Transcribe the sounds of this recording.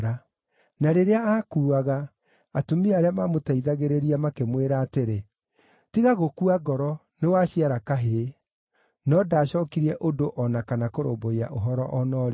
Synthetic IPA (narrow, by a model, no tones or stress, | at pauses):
ɾa | naɾeɾeaakuːaɣaː | tumiaɾeamamotaiðaɣeɾeɾiamakemweɾaːteɾe | tiɣaɣokuaɡɔɾɔ | newaɕiaɾakaɦe | nɔdaːɕɔːkiɾiɛʔodoʔɔnakanakoɾo̰mboia̰ʔoɦɔɾɔʔɔnɔːɾe